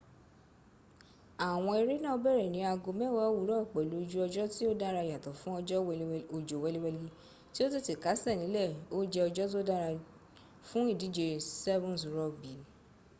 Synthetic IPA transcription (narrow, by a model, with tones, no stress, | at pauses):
a˨w̃ɔ̃˧e˧ɾi˦nã˦o˧bɛ˦˨ɾɛ˨nĩ˨˧˦a˧ɡo˧mɛ̃˦˨wa˦wu˨˦ɾɔ˦ɔ˦˨k͡pɛ˨lo˨˦˧d͡ʒu˦ɔ˧d͡ʒɔ˦ti˦o˦da˦ɾa˧ja˨tɔ˨fũ˦ɔ˧d͡ʒɔ˦wɛ˧˦o˧˨d͡ʒo˨wɛ˨˧li˦wɛ˧li˦ | ti˦o˦ti˦˨ti˨ka˨˦sɛ˦˨nĩ˨˦lɛ˦˨o˦d͡ʒɛ˧ɔ˧d͡ʒɔ˦t̬o˦da˦ɾa˧ | fũ˦i˦˨di˨˦d͡ʒe˧sɛ˦vɔ̃˦˨sɾɔ˨˦˨bi˨˦